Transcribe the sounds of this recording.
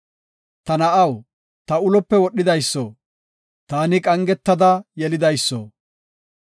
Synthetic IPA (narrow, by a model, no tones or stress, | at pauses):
t̪ɐnɐʔɐw | t̪ɐʊlɔpːɛwɔɗːɪd̪ɐjsːo̰ | t̪aːnɪkʼɐŋɡɛt̪ːɐd̪ɐjɛlɪd̪ɐjsːo̰